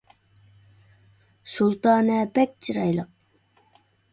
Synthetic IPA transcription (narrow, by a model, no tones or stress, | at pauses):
sulˠt̪ɑːnɛbɛk̚ʲt͡ʃʰiɾɑjlˠəq̚